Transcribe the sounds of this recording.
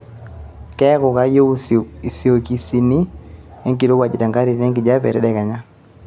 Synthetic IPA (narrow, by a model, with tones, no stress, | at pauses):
kɛ˦kɔ˨ka˦jo˦i˨si˨o˨ki˨si˨ni˦e˦ŋki˨lo˦wa˨d͡ʒi˨ta˨ŋɡa˦ɾi˨ne˦ŋki˨d͡ʒa˦pɛ̰˨ɾɛ˦dɛ˨ka˨ɲa˦